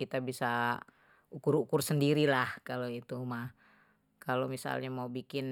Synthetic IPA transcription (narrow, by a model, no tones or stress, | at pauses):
it̪abisa | ukuɾukʊrsəndiɾilahkaloit̪umah | kalomisa̰lɲamaubikɪn